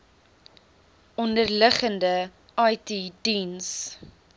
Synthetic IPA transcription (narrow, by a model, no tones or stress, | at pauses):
ɔndərləχəndə | ɐjtidins